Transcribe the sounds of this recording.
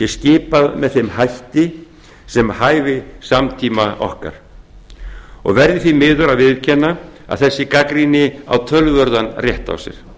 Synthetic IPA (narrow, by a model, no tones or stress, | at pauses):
jɛscɪːpaðmɛðθejmhajht̪ɪ | sɛmhaːjvɪsamt̪ʰiːmaɔ̰hka̰ɾ̥ | ɔ̰ɣvɛɾðɪθimɪːðʏɾaðvɪðcʰɛnːaa̰ðθɛsːɪkakɾinɪa̰wt̪ʰœlvœɾðanrjɛht̪a̰wsɪ̰ɾ̥